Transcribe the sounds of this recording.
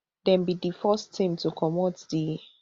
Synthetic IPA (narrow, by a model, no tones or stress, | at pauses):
dɛ̃nbidifɔstʰːĩmtukʰɔmɔtdi